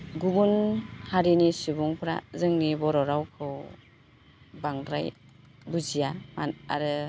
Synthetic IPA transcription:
ɡubunhaɾinisubuŋpʰɾa̰zɯŋnibɔɾɔɾawkʰɯw | baŋdɾa̰j | buzijamaa̰ɾɯ

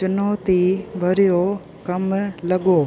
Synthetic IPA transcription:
t͡ʃʊnoːt̪ibʱɐɾijo | kɐmlɐɡoː

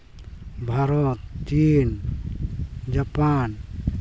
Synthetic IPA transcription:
bʱaɾɔt̪t͡ʃin | d͡ʒapan

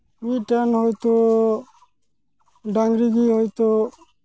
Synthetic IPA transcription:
miʈanhɔjt̪ɔ | ɖaŋɡɾiɡihɔjt̪ɔ

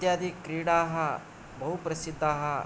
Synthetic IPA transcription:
jaːd̪ʱikɾiːɽaːɦɐ | bɐɦupɾɐsid̪ʱːaːɦɐ

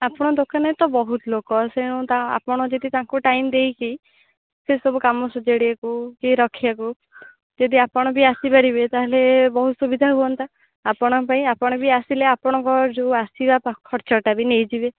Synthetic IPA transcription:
apɔɽ̃ɔd̪okanet̪ɔbɔɦut̪lokɔseɽ̃ut̪aa̰pɔɽ̃ɔd͡ʒed̪it̪aŋkuʈajmd̪ejki | sesɔbukamɔsɔd͡ʒeɽiakukiɾɔkʰiaku | d͡ʒed̪iapɔɽ̃ɔbiasibaɾibet̪aɦelebɔɦut̪subid̪ʱaɦuɔnt̪a | apɔɽ̃ɔpaĩapɔɽ̃ɔbiasileapɔɽ̃ɔŋkɔd͡ʒuasibapkʰɔɾt͡ʃɔʈabinejd͡ʒibe

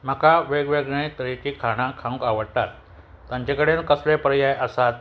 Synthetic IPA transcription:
m̤əkaʋeɡʋeɡɳəjt̪ɾet͡ɕiːkʰaɽ̃ãkʰãũkaʋəɽt̪a̰t̪ː | ãɲt͡ɕekəɽenkəslepɾjajʔəsat̪

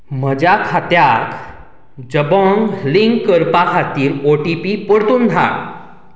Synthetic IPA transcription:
m̤əd͡ʑakʰat̪jakʰ | d͡ʑəbɔ̃ŋɡliŋɡkːəɾpakʰat̪iːɾoʈipipəɽt̪uːnd̪ʱa̰ɾ

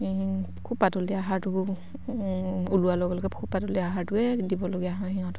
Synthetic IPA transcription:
kʰupːatɔliaɦatu | ulualɔɡɛlɔɡɛkʰupatɔliaɦatuɛdibɔloɡijaɦãɦiɔ̃t

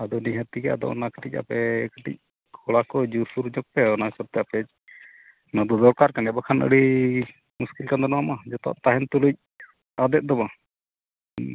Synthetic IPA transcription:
ad̪ɔniɦat̪ikɛa̰d̪ɔ̰ʔɔnakə̥ʈic̚a̰pɛkəʈḭc̚ | kʰɔɭakɔd͡ʒuɾsuɾd͡ʒɔk̚pɛɔnaɦisab̚t̪ɛapɛc̚ | nɔd̪ɔd̪ɔɾkaɾkanɛɛbakʰanə̰ɽi | muskilkand̪ɔnɔamad͡ʒɔt̪ɔ̰ʔt̪aɦɛnt̪uluc̚ | ad̪ɛt̪̚ˀd̪ɔba

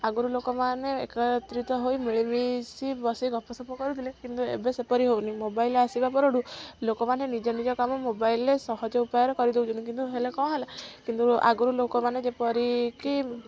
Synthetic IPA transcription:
aɡuɾulokɔmaneḛkɔt̪ɾit̪ɔɦojmiɭimisibɔsiɡɔpɔsɔpɔkɔɾut̪ʰilekint̪uḛbesepɔɾiɦownimobaileasibapɔɾoɽulokɔmanenid͡ʒɔnid͡ʒɔkamɔmobailesɔɦɔd͡ʒɔupajɔɾɔkɔɾid̪ewd͡ʒunt̪uk̬int̪uɦelekɔ̃ɦelakint̪ua̰ɡuɾulokɔmaned͡ʒepɔɾiki

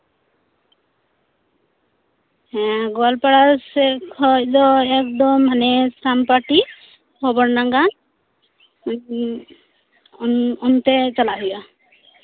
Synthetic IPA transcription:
ɛɡɔlpaɽasɛkʰɔjd̪ɔɛk̚d̪ɔmɦanɛsampaʈi | kʰɔbɔɾnaŋɡa | ɔnt̪ɛt͡ʃalaɦuja

